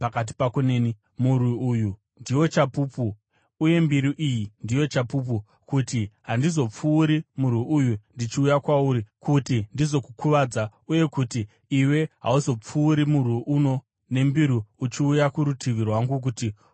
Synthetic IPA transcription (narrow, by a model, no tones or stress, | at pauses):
pakat̬i̥pakuneːni | muriuːju | ndiwo̞t͡ʃapuːpuː | je̞mbiɾiʔijindijo̞t͡ʃapup̬u | kutiɦandizo̞p͡fuːɾimurwiujundit͡ʃiujakwauɾikutindizo̞kukʰuʋaːd͡zauje̞kutiː | we̞ɦa̰uzo̞p͡fuːɾimurwiʔuno̞ | ne̞mbiɾiut͡ʃiujakuɾutʰiʋirwaŋɡuk̬uti